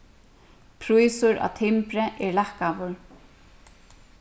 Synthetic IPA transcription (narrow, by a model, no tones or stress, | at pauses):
pʰɾujsʊɾa̰t̪ʰɪmpɾɛʔɛɹlahkaʋʊɹ